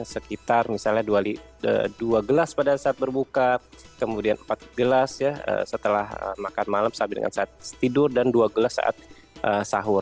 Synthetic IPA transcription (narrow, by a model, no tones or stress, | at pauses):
səkit̪armisalɲaduali | ə̰duaɡəlaspadasaːt̪̚bərbuka | kəmudianəmpat̪̚ɡəlasjaə̰sət̪əlahə̰makanmalamsabidə̰ŋʔa̰nsaat̪̚sə̥t̪idʊrdanduaɡəlasːa̰ʔa̰t̪̚ | ʔəsaɦʊr